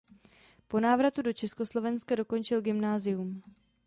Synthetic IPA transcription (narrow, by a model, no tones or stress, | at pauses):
po̞naːvɾat̪udo̞t͡ʃɛsko̞slo̞vɛnskado̞ko̞nt͡ʃɪlɡɪmnaːzɪum